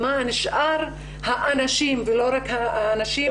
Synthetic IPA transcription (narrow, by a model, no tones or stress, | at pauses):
maniʃʔaɾ | haʔanaʃimveloɾakhaːnaʃi